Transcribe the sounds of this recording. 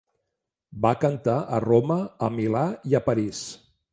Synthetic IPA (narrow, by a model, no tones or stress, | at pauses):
bakənt̪aʔə̰roməəmilaiəpəɾis